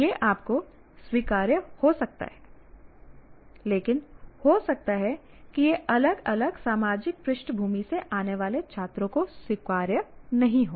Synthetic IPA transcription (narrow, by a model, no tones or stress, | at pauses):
jeʔaːp̚ko | swiːkaːɾjəhosɐk̚t̪a̰ɦɛː | leːkɪnhoːsɐk̚t̪aɦɛ | kijeʔɐləɡɐləɡsaːmaːd͡ʒɪk̚pɾɪʃʈbʱuːmiseʔaːneʋaːlet͡ʃʰaːt̪ɾõkoswiːkaːɾjənɐɦĩɦoː